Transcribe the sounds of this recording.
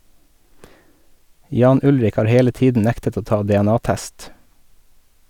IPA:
ˈjɑːn ˈʊlɾɪk ˈhɑːɾ ˈheːlə ˈtiːdn̩ ˈnæktət ˈoː ˈtɑː dɛɛˈnɑːˌtæst

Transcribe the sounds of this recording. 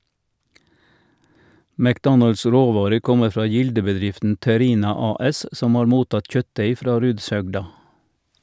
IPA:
mækˈdɔnɑls ˈɾoːˌʋɑːɾəʁ ˈkɔmə ˈfɾɑː ˈjɪldəbəˌdɾɪftn̩ tɛˈɾiːnɑ ˈɑːˌɛs ˈsɔm ˈɑːɾ ˈmuːˌtɑt ˈc͡çœtˌdeɪ ˈfɾɑː ˈɾʉːdsˌhœɡdɑ

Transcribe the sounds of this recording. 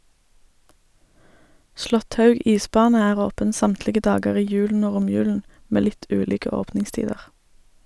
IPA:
ˈslɔtˌhɑʉɡ ˈiːˌsbɑːnə ˈæːʁ ˈoːpən ˈsɑmtlɪɡə ˈdɑːɡəʁ ˈiː ˈjʉːln̩ ˈoː ˈʁʊmjʉːln̩ ˈmeː ˈlɪt ˈʉːliːkə ˈoːpnɪŋˌstiːdəʁ

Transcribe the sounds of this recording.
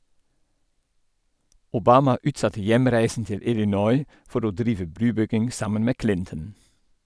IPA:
ʊˈbɑːmɑ ˈʉːtˌsɑtə ˈjæmɾæɪsn̩ ˈtɪl ɪlɪˈnɔʏ ˈfɔɾ ˈoː ˈdɾiːʋə ˈbɾʉːˌbʏɡɪŋ ˈsɑmən ˈmeː ˈklɪntən

